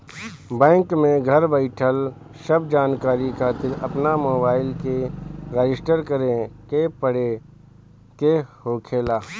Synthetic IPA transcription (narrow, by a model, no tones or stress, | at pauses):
bɛ̃ːŋkmẽɡʱəɾbəɪʈʰəl | ʃəbd͡ʒaːnkaːɾikʰaːt̪ɪɾɐpnamoːbaːɪlkeɾeːd͡ʒɪsʈəɾkəɾekepəɽe | kehoːkʰeːlaː